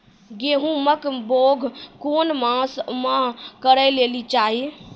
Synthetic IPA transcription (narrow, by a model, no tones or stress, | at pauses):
ɡeɦũməkboɡʱkonmasmaɦkəɾəlelit͡ʃaɦi